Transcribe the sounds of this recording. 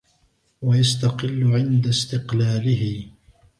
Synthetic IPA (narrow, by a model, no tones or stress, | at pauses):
wajast̪aqɪlːʊʕɪnd̪ast̪ɪqlaːlɪhɪ